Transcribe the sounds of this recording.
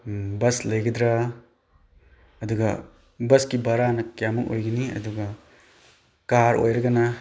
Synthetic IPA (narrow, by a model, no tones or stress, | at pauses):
bɐslɐjɡɐd̪ɾɐ | ɐduɡɐ | bɐskibɐɾanɐkjamuko̰jɡɐniɐ̰duɡɐ | kaɾo̰jɾɐɡɐnɐ